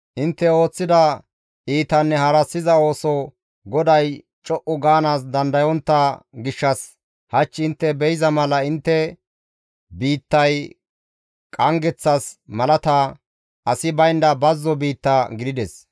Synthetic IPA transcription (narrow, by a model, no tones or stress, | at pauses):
ʔɪnt̪ːɛo̞ːt͡sːɪd̪ɐ | ʔiːt̪ɐnːɛhɐɾɐsːɪzɐo̞ːsɔ | ɡɔd̪ɐj | t͡ʃʼɔʔʊɡaːnaːsd̪ɐnd̪ɐjɔnt̪ːɐɡɪʃːɐs | hɐt͡ʃːɪnt̪ːɛbɛjɪzɐmɐlɐɪnt̪ːɛ | biːt̪ːɐj | kʼɐŋɡɛt͡sːɐsmɐlɐt̪ɐ | ɐsɪbɐjnd̪ɐbɐzːɔbiːt̪ːɐɡɪd̪ɪd̪ɛs